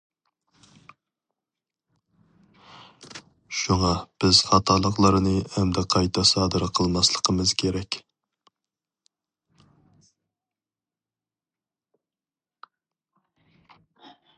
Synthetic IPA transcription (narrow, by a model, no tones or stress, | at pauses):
ʃuŋɑb̥ɪz̥χɑt̪ʰɑlˠəχlˠəɾɨnɨɛmd̪ɛqʰɑjt̪ʰɑsɑːd̪ɨɾqʰəlˠmɑslˠəqʰəmɨz̥kʲʰeɾɛkʲ